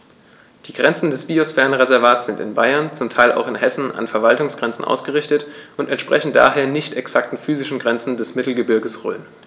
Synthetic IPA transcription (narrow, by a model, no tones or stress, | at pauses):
d̥iːɡ̥ʁɛnt͡sn̩dɛsb̥iosfɛːɐənʁezɛɐvaːtsz̥ɪntɪ̰nba̰ɪɐnt͡sʊmtʰaɪlʔa̰ʊxɪnhɛsn̩a̰nfɛɐvaltʊŋsɡ̥ʁɛnt͡sn̩ʔa̰ʊsɡ̥əʁɪçtətʔʊntɛntʃpʁ̥ɛçn̩d̥a̰ːɦeːɐnɪçtɛksak̚tn̩fyːzɪʃn̩ɡʁɛnt͡sn̩dɛsmɪtl̩ɡəbɪɐɡəsʁɔ̰lən